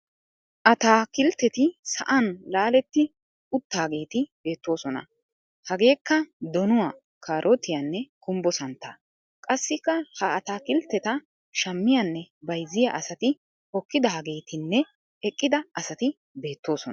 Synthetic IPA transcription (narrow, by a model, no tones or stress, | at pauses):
ʔɐt̪aːkɪlt̪ːɛt̪ɪsɐʔɐnlaːlɛt̪ːɪ | ʊt̪ːaːɡe̞ːt̪ɪb̥e̞ːt̪ːo̞ːsɔnɐ̰ | hɐɡe̞ːkːɐd̪ɔnʊwaː | kʰaːɾʔɔt̪ɪjɐnːɛkʰʼʊmbɔsɐnt̪ːɐ̰ | kʼɐsːɪkːɐhɐːt̪aːkɪlt̪ːɛt̪ɐ | ʃɐmːɪjɐnːɛbɐjzːɪjaʔɐsɐt̪ɪ | hɔkːɪd̪ɐhɐɡe̞ːt̪ɪnːɛ | ɛkʼːɪd̪ɐɐsɐt̪ɪ | be̞ːt̪ːo̞ːsɔn